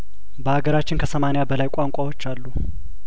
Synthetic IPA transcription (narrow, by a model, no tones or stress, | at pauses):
bəaɡəɾat͡ʃːɪnkʰəsəmanejabəlajkʷʼaŋkʷʼawo̞t͡ʃːalːu